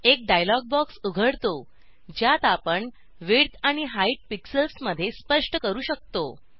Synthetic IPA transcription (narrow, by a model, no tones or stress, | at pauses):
ek̚ɖajlɔɡ̚bɔksuɡʱəɽt̪o | d͡ʑjat̪apəɳ | ʋeɽt̪aɽ̃iɦaiʈ̚piksəlsməd̪ʱːjespəʂʈəkəɾuːɕək̚t̪o